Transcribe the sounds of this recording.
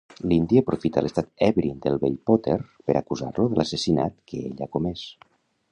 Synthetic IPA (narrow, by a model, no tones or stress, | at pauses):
lind̪iəpɾufit̪ə̰lʔəst̪at̪ɛβɾind̪əlˠβeʎpot̪eɾpəɾʔa̰kuza̰rluðəlasesinat̪kəeʎakumɛs